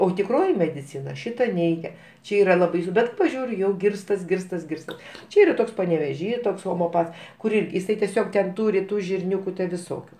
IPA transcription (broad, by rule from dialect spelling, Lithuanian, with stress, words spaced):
oː tʲɪkˈroːjɪ mʲɛdʲɪˈt͡sʲɪnɐ ˈʃʲɪtɐ ˈnʲɛɪɡʲɛ ˈt͡ʃʲɛ ˈiːrɐ lˠɐ ˈbɐɪsʊ ˈbʲɛt pɐˈʒʲuːrʲʊ ˈjɛʊ ˈɡʲɪrstɐs ˈɡʲɪrstɐs ˈɡʲɪrstɐs ˈt͡ʃʲɛ ˈiːrɐ ˈtoːks pɐnʲɛʋʲɛˈʒʲiː ˈtoːks ɣoːmʲɛoːˈpɐts kʊr ˈɪrʲkʲ jɪˈsɐɪ tʲɛˈsʲoːk tʲɛn ˈtuːrʲɪ ˈtuː ʒʲɪrʲˈnʲuːkʊ ʋʲɪˈsoːkʲʊ